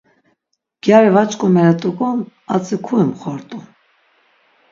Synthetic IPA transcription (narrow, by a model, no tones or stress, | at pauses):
ɡ̥jaɾɛvat͡ʃʼkʼɔmɛɾɛt̪ʼukɔm | at͡sʼikʰuɛmχɔɾt̪ʼum